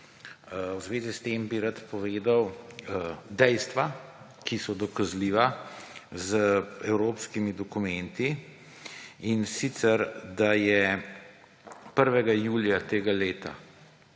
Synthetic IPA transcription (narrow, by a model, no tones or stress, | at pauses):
wzʋeːzist̪eːmbiɾat̪pɔʋeːd̪aw | d̪ɛjst̪ʋa | kʰisɔd̪ɔkazliʋa | zəɛwɾoːpskimid̪ɔkumɛnt̪i | insit̪sɛɾd̪ajɛ | pəɾʋɛɡajuːljat̪eːɡaleːt̪a̰